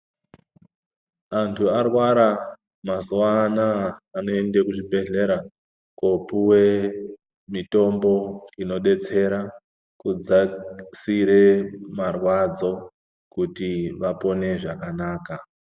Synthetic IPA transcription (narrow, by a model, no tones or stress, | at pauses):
antʰuarwaɾa | mazuanaːno̞endekuʐibʱe̞ɮe̞ɾa | kopuwe | mito̞mbo̞ino̞ɗe̞t͡se̞ɾa | kud͡zasiɾe̞marwad͡zo̞ | kutiʋapo̞ne̞ʐakanaːka